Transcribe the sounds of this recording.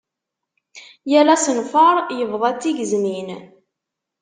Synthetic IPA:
jælæsənfəɾˤjəvðˤæt͡sːiʝəznin

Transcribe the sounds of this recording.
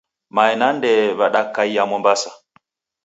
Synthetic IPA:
maɛnandɛβaɗakaiamɔmbasa

